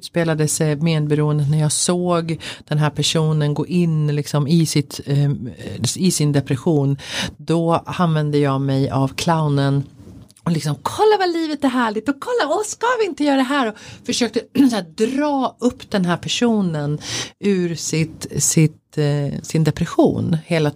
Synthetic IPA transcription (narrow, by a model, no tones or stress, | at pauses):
speːlad̪əsɛmeːd̪̚bɛɾuːənd̪ənæɾjɑːsoːɡd̪̥ɛnɦæɾpʰæʂuːnənɡoːʔɪnːlɪksɔmɪsɪt̪ | ɪsɪnd̪ɛpɾɛɧuːnd̪ɔanvɛnd̪əjɑːmɛjavkʰlaʊnən | ɔlɪksɔmkʰɔlːavaliːvət̪ɛɾɦæːɭɪɡ̚t̪ɔkʰɔlːaɔskavɪɪnt̪əjœːɾad̪ɛɦæːɾɔfœʂøːk̚t̪əsæːd̪ɾɑːɵpːd̪ɛnɦæːɾpʰæʂuːnənʉ̟ːɾsɪt̪sɪt̪sɪnd̪ɛpɾɛɧṵːnheːla